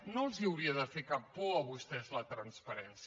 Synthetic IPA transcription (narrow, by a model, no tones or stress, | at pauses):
nolˠziəwɾiəðəfekappɔəβust̪ɛzlət̪ɾənspəɾɛns